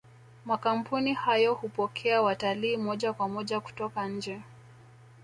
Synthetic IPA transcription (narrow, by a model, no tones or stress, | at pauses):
makam̩punihajɔhupɔkʰɛawataliːmɔʄakwamɔʄaku̥tɔkaɲ̩d͡ʒɛ